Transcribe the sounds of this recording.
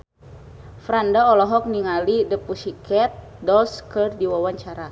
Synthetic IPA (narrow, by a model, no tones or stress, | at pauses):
fɾandaɔlɔɦɔk̚niŋalidəpusikʰɛt̪̚ | dɔlskɨrdiwawaɲt͡ʃaɾa